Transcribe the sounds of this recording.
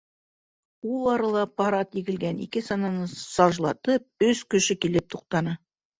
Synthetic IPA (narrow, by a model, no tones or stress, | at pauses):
ulˠɑɾɑlˠɑpɑɾɑt̪iɡɘ̆lɡænḭkɘsɑnɑnɤsɑʒlˠɑt̪ɤp̚ɵskɵ̆ʃɘkilɘp̚t̪ʰuq̚t̪ɑnɤ